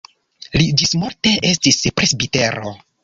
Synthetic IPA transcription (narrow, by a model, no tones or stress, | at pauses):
lid͡ʒismuɾte̞ʔe̞stispɾe̞sbite̞ɾo̞̰